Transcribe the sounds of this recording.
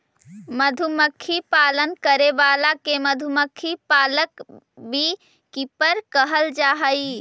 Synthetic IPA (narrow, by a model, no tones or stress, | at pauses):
məd̪ʱuməkʰːipaːlənkəɾeʋaːlakeməd̪ʱuməkʰːipaːlək | bʱi | kipəɾkəɦəld͡ʒaːɦəi